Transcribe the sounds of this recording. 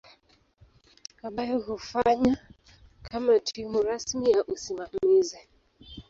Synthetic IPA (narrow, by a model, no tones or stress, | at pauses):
kaɓajɔhufaɲa | kʰamatʰimuɾasmijaʔusimamizɛ